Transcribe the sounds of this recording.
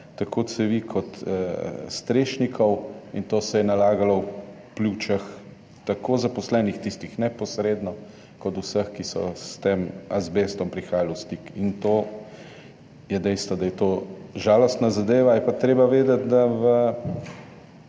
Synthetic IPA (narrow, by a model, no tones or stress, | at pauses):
t̪ɐkʰoːsɛʋikʰɔt̪əst̪ɾeːʃnikʰɔwint̪oːsɛjɛnalaːɡalɔw | plut͡ʃɐx | t̪akʰoːzapɔslɛːnixt̪ist̪ixnɛpɔsɾeːd̪nɔ | kɔt̪usəxkisɔ̰st̪emazbeːst̪ɔmpɾixaːjalɔwst̪ikint̪oː | jɛd̪ɛjst̪ʋɔd̪ajɛt̪oʒaːlɔst̪nazad̪eːʋajɛpat̪ɾeːbaʋeːd̪ət̪̚d̪aʋə